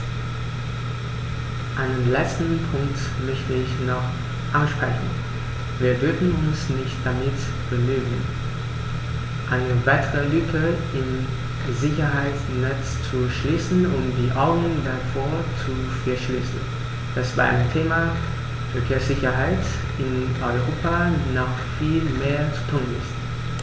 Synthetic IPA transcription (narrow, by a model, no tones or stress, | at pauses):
ʔaɪnənlɛt͡stn̩pʰʊŋk̚t | mœçtəɪçnɔχ | ʔanʃpʁ̥ɛçn̩ | viːɐvʏɐfn̩ʊnsnɪçt̚d̥amɪt | b̥əmyːɡŋ̩ | ʔaɪnəvaɪtʰəʁəlyːkʰəʔɪm | zɪçɐɦaɪt͡snɛt͡st͡suʃliːsn̩ʊntd̥iːʔaʊɡnʊŋdafoːɐt͡su | fɛɐʃliːsn̩ | d̥asv̥a̰ːɐʔa̰ɪntʰeːma | fɛɐkʰeːɐsz̥ɪçɐɦaɪt | ʔɪnʔɔʏʁoːpʰanɔχ | fiːlmeːɐt͡su̥tʰuːnɪ̰st